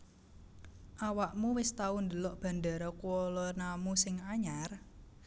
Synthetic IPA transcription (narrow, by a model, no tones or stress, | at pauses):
ʔawaʔmuwɪst̪aund̪əlɔʔb̥a̤nd̪aɾɔkuɔlɔrnamusɪŋaɲar